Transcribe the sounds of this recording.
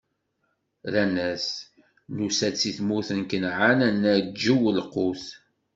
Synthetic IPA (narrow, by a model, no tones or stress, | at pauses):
lænæs | nusæt͡sːiθmuθənkənʕanænːæd͡ʒːuwəlquθ